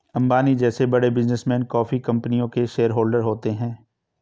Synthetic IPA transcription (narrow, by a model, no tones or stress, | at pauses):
ɐ̃mbaːnid͡ʒɛːsebɐɽebɪznəsmɛ̃ːnkɔːfikɐ̃mpənijõkeʃeːəɾɦoːlɖəɾɦoːt̪eɦɛ̃ː